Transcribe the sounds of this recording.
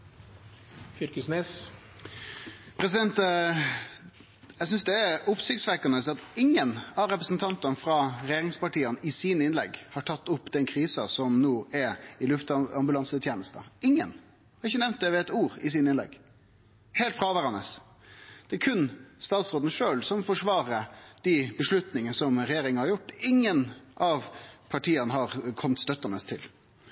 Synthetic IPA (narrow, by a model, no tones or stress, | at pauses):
fʏɾkəsnɛs | pʰɾɛsɪd̪ɛnt̪ | jæɪs̬ʏnsd̪ɛːɾʊpsɪɡsʋækɑnəsɑt̪ɪŋːənɑʋɾɛpɾəsnt̪ʰɑnt̪ɑnfɾɑɾɛjeːɾɪŋspɑʈiːənɪsiːnəɪnlɛ̰ɡhɑʈʰɑt̪ːʊpːd̪ɛnkʰɾiːsɑsɔmnoːɛɾɪlʉft̪ɑmbʉlɑnsəət̪ʰjeːnəst̪ə̰ɪŋːə̰n | hɑɾɪçːənɛʋnt̪̚d̪ɛʋɛɛt̪uːɾɪs̬iːnɪnlɛ̰ɡ | heːlt̪fɾɑːʋæːɾɑnəs | d̪̥ɛæɾkʰʉnst̪ɑːt̪sɾoːd̪nəʂøːlsɔmfɔʂʋɑːɾəd̪̥ibəʂlʉt̪nɪŋənsɔmɾɛjeːɾɪŋənhɑɾjʊʈːɪŋːənʔɑʋpʰɑʈʰiːənəɦɑɾkʰɔmt̪st̪œt̪ːɑnəst̪ʰɪl